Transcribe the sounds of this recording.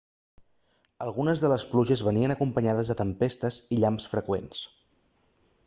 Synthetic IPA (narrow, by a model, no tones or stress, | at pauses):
əlˠɣunəzðələspluʒəzβəniənəkumpəɲaðəzðət̪əmpest̪əziʎamsfɾəkwens